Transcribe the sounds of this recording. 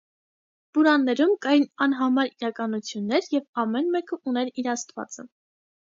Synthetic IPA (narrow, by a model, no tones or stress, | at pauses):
buɾɑnːɛɾumkɑjinɑnɦɑmɑɾiɾɑkɑnut͡sʰjunːɛɾjɛvɑmɛnmɛkəunɛɾiɾɑst̪vɑ̰t͡sə̰